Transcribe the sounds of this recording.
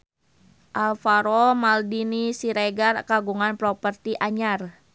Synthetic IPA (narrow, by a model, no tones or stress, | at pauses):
ʔalfaɾɔmaldinisiɾeɡarkaɡuŋanpɾɔpərt̪iʔaɲar